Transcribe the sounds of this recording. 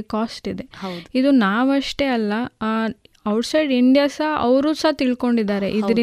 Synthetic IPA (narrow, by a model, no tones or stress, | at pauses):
kaːsʈid̪e̞id̪unaːʋɐʂʈe̞ɐlːɐ | ɐwʈsɐjɖiɳɖijaːsaɐʋɾuːsaːt̪iɭko̞ɳɖid̪aːɾe̞̰ʔiɐɾi